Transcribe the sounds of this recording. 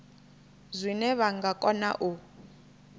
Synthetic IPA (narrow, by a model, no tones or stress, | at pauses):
zʷinɛβaŋɡakʼɔna̰ʔu